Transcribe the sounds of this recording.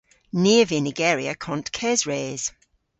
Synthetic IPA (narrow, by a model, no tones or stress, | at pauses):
niːəvɪnɪɡɛːɹiəkʰɔ̃ntkʰɛzɹeːz̥